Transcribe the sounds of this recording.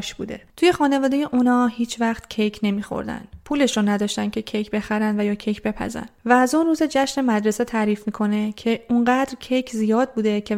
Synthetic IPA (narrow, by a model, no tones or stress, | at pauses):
ʃbṵːd̪e̞̰t̪ʰuje̞xɒːne̞vɒːd̪ejeʔunɒːhiːt͡ʃʰvæxt̪cʰejcʰne̞miːxo̞̰ɾd̪æ̰nd̪̥pʰuːle̞ʃɾonæd̪ɒːʃt̪ænd̪cʰe̞cʰejkbe̞xæɾænd̪væjɒːcʰejcʰbe̞pʰæ̰zæ̰nvæːzunruːzed͡ʒæʃne̞mæd̪ɾe̞set̪ʰæːɾiːfmiːkʰo̞ne̞cʰe̞uŋɢæːd̪ɾcʰejcʰzijɒːd̪̚buːd̪ecʰe̞